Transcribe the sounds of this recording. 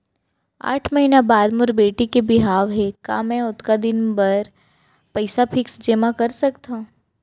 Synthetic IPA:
a̰ːʈʰməɦinabaːd̪mʊɾbeːʈikebɪɦaːʋɦɛka̰ːmɛ̃ʊt̪kad̪ɪnbɐɾ | pəɪsapʰɪksd͡ʒeːmakɐɾsɐkt̪ã

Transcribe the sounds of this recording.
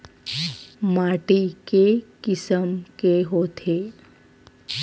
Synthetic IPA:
maʈikekɪsəmkeɦot̪ʰe

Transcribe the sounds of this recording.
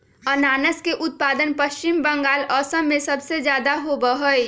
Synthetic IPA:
ənaːnəskeʔʊt̪̚paːd̪ənpəʃt͡ʃimbə̃ŋɡaːlɔːsə̃mːẽsɐbsezjaːd̪aɦobəɦoi

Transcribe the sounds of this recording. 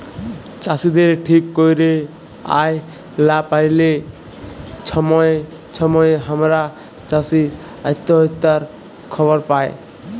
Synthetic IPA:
t͡ʃasid̪eɾʈʰikːojɾe | a̰j | lapajle | t͡ʃʰɔmɔj | t͡ʃʰɔmɔjɦamɾa | t͡ʃasi | at̪ːɔɦɔt̪ːaɾ | kʰɔbɔɾpae

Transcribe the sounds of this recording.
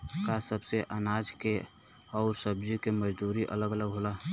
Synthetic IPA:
kasəbseʔənaːd͡ʒke | ɔːɾsəbd͡ʒikeməd͡ʒd̪uːɾiʔə̰ləɡələɡɦola

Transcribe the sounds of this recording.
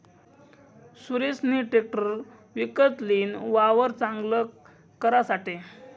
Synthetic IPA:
suɾesniʈek̚ʈəɾ | ʋikət̪liːnʋaʋəɾt͡sãŋɡlə | kəɾasaʈe

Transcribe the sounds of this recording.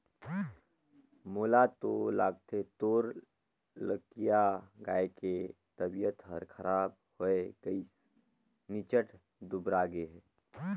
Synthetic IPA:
moːlat̪olaːɡ̚t̪et̪oːɾ | ləkijaɡaːeke | t̪əbijət̪ɦəɾkʰəɾaːb | hoeɡ̥əis | nɪt͡ʃəʈʰ | d̪ʊbɾaɡeɦɛː

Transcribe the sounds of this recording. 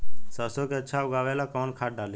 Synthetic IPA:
səːsõkeətːʃʰaʊɡaːʋeːlakɔːnkʰaːʈ̚ɖaːleː

